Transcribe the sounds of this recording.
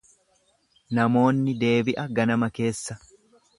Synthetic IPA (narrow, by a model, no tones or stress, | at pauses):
nɐmo̞ːnːɪd̪e̞ːbɪʔɐɡɐnɐmɐke̞ːsːɐ